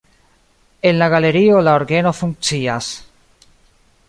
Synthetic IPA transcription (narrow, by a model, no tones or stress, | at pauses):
enlaɣaleɾiolaoɾɣenofuŋt͡ʃias